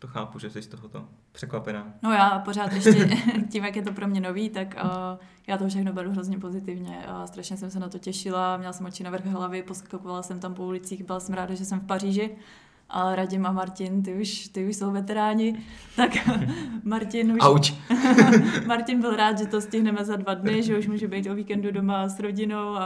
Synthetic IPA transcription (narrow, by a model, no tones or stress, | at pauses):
t̪oxaːpuʒɛsɛʃst̪oɦot̪o̰pr̥ɛkvapɛnaːno̞jaːpo̞ɾaːt̪jɛʃcɛciːmjakjɛt̪o̞pɾo̞mɲɛno̞viːt̪akː | jaːt̪ofʃ̬ɛxnobɛɾuɦɾo̞zɲɛpo̞zɪt̪ɪvɲɛst̪ɾaʃɲɛsɛmsɛnat̪o̞cɛʃɪlamɲɛlasɛmot͡ʃɪnavrxɦlavɪposkakovalasɛmt̪ampoulɪt͡siːxbɪlasɛmɾaːdaʒɛsɛmfpariːʒɪ | ʔaɾaɟɪmamaɾcɪnt̪ɪuʃt̪ɪuʃso̞wvɛt̪ɛɾaːɲɪ | t̪ak | maɾcɪnuaut͡ʃ | maɾcɪnbɪlɾaːt̪ʒɛt̪oscɪɦnɛmɛzadvadnɪʒɛuʃmuːʒubɛjt̪oviːkɛndudomasɾo̞ɟɪnowa